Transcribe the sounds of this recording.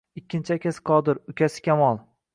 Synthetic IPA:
ɪkʲʰːɪnt͡ʃʰakʲasqʰɒd̪ɪɾʊkʲʰasɪ̥kʲʰamɒlˠ

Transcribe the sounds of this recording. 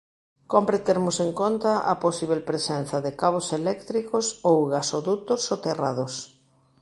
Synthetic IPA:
kompɾet̪eɾmʊseŋkont̪ɐʔɐposiβ̞elpɾesɛn̟θɐðɪkaβ̞oselɛkt̪ɾikosowɣasoðut̪osot̪erað̞os

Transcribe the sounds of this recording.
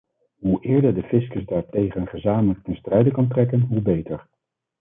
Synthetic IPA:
ɦuʔɪːɹdəɹdəfɪskəsdaːɹtejχənχəzaːmələk̚tɛnstrɛjdəkɑntrɛkənɦubejtəɹ

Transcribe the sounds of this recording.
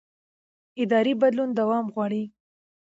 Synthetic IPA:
ɪd̪ɑɾibad̪lund̪awɑmɣwɑɽi

